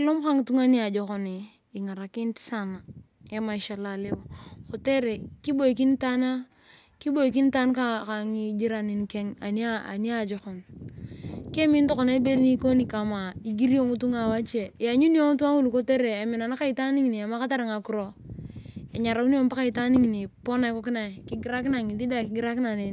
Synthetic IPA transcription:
lo˦m˦ka˦ŋ˨tu˦ŋa˦ni˦a˨d͡ʒo˨ko˨ni˨ | i˨ŋa˨ɾa˨ki˦nti̥˦sa˦na˨ | e˦ma˨i˨ʃa˨la˨le˦o˨ko˨te˦ɾe˨ki˦bo˦˨i˨ki˦n˦ta˦na˦ | ki˦bo˦i˨k̬i˦n˦ta˦nka˦ka˨ŋi˨d͡ʒi˦ɾa˨ni˨nke˦ŋa̰˨ni˦a˦a̰˨ni˦a˦˨d͡ʒo˨xo˨n | ke˦mi˦n˦to˦ko˨na˦i˦be˦ɾi˦ni˦ko˦ni˨ka˨ma˨i˨ɡi˦ɾi˦o˦ŋu˦tu˦ŋa˨wa˦t͡ʃe˨ja˨ɲu˦ni˦o˦ŋu˦tu˦a˦ŋu˦lu˨ko˦te˦ɾe˨e˨mi˨na˨na˦ka˦i˨ta˦ni˦ŋi˨ni˨a˨ma˦ka˦ta˦ɾa˨ŋa˨ku˨ɾo˨ | e˨ɲa˨ɾa˨u˦ni˦o˦mpa˦ka˦i˨ta˦ni˦ŋi˨ni˨po˦na˨i˦ko˦ki˦na˨i˨ki˦ɡi˦ɾa˦k̬i˦na˨ŋi˨li˦da˦˨ki˨ɡi˦ɾa˦ki˦na˨ne˨

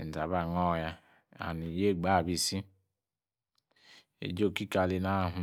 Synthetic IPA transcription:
n̩˨za˨βa˦˨ŋɔ˦˨ja˦ | a̰˨ni˨je˦˨ɡ͡ba˦˨bi˨si˦ | ḛ˨d͡ʒo˦˨ki˦ka˨li˦na˦˨ɦu˨

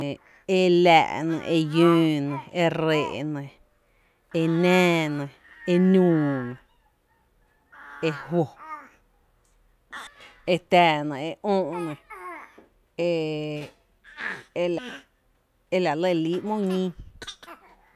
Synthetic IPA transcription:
e˧læ̰˨ʔnə̰̃˧˨ʔe˧jũː˦nə̃˨e˧ɾe˨ʔnə̃˨ | e˧nɛ̃ː˦nə̃˨ | e˧nũː˧˨nə̃˨ | e˧hwo˨ | e˧t̪æː˨nã˨e˧ʔõː˦ʔnə̃˨ | e˧ | e˦la˨ | e˦la˨lə˧˨li˦ʔmõ˦ɲĩ˦

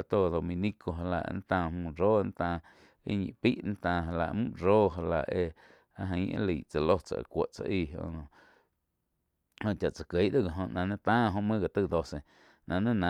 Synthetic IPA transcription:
a˨t̪o˦˨d̪o˧mĩ˧nĩ˦ko˧ɦa˧la̰˧˨ʔn˦t̪ãː˧˨mũː˧˨ɾoː˦ʔn˦t̪ãː˧˨ | ḭ˦ɲḭ̃˨pi˦ʔñ˦t̪ãː˧˨ɦa˧la˧ʔmṵ̃˦ʔɾoː˦ɦa˧la˧ʔe˧ | a˧ɦə̃˧˦˧ʔḛ̃˦li˨ʔt͡sa˨lo˦t͡sa̰˨ʔkʷo˨ʔt͡sa̰˧ʔiː˧˨ɦõ̰˧ʔnõ˧ | hõ˧˨ʔt͡ʃa˨ʔt͡sa˨ke˨˦ʔd̪o˦ɡa˨ɦõ˧ʔnã˨nẽ˦t̪ãː˦ɦõ˧ʔmɨ̃˦ɡa˨t̪ɨ˦˨d̪o˧se˨ | nʔã˨nẽ˦nã˦

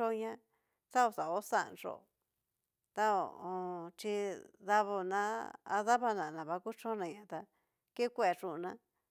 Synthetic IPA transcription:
o˦˧ɲã˦ | t̪a˦o˧˨sa˨o˦sa̰˦˨˧nʐo̰˨ | t̪a˦o˨õ˧t͡ʃi˧ða˧βo˧nã˦a̰˧ða˦βa˧nã˨nã˨βa˧ku˦t͡ʃõ˦nã˧ɲã˧˨t̪a˧ | ke˦kʷe˦˧˨a˨˧ʂũ˧nã˦

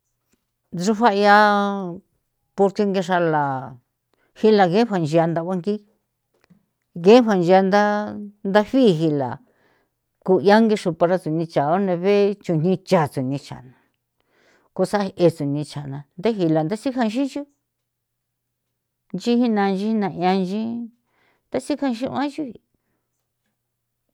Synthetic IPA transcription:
ʐu˧ɸa˦˧ja˧ | po˧ɾt̪i˧ŋɡe˧ʂa˧la˨ | hi˦la˧ɣẽ˦ɸʷa˧nd͡ʒi˧a˧nd̪a˧βʷa˧ŋɡi˦ | ɣe˦ɸa˧nd͡ʒi˧a˧nd̪a˦nd̪a˦ɸi˦˨˧ɦi˧la̰˨ | ku˧ja˦ŋɡi˧ʂu˧pa˧ɾa˧t͡su˨nĩ˧t͡ʃa˨o˦nẽ˧βe˦t͡ʃu˧˨n̥ĩ˦˧t͡ʃa˨t͡su˨nĩ˧t͡ʃa̰˨nã˨ | ko˧sa˦˧e˧t͡su˨nĩ˧t͡ʃa˨nã˧nd̪e˦ɦi˧la˨nd̪a˦si˦kã˦˧ʃĩ˦t͡ʃi˦ | nd͡ʒi˦hi˦nã˧nd͡ʒi˦nã˨ʔjã˧nʒĩ˦ | nd̪a˦si˦kã˧ʃĩ˦ʔã˦ʒi˦i˧˨

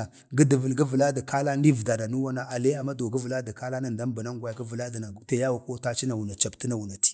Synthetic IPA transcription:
a˨ | ɡə˦də˨və˨lɡə˦və˨la˦da˨ka˦la˦ndi˦vda˨na˨nu˦wa˦na˦ʔa˨le˦a˨mːa˦do˨ɡə˦və˨la˦da˨ka˦la˦na˨n˨da˦m˦ba˨na˦ŋ˦ɡʷa˦ja˨ɡə˦və˨la˦da˨na˨ta˨ja˦wa˨ko˦ta˦t͡ʃi˦na˨wu˨na˨t͡ʃa˨bti˦na˨wu˨na˨ti̥˦

